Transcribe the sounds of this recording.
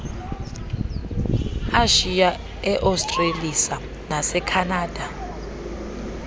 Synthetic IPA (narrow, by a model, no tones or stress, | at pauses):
aʃia | ɛʔawstʼrelisa | nasɛkʰanaːd̥ʱa